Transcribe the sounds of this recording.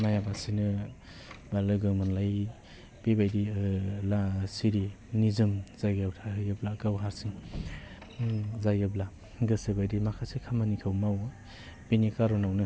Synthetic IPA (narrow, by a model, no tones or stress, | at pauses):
najabasinɯ | balɯɡɯmɯnlaj | pebajdilasiɾi | nizɯmzajɡawtʰaɦɯjɯblakawɦaɾsiŋ | zajɯbla | ɡɯsɯbajdimakʰasekʰamanikʰɯwmaw | penikaɾɔnawnɯ